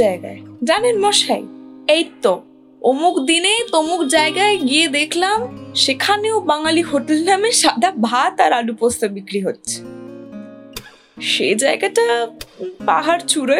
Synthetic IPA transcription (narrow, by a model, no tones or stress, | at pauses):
aeɡa̰ed͡ʑanenmɔʃa̰jejt̪ːo | omukd̪inet̪omukd͡ʑaeɡaeɡied̪ekʰlamʃekʰaneobaŋalihoʈelnameʃad̪ʱabʱat̪aɾaɖupost̪ʰebikɾiɦotːɕʰe̥ | ʃed͡ʑaeɡaʈa | pa̰ɦaɾt͡ɕuɾo